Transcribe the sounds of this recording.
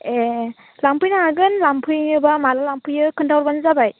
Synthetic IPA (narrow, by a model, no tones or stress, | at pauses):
e | lampʰɯjnaaɡɯnlampʰɯjnɯbamalalampʰɯjɯkʰɯndawɾbanzabaj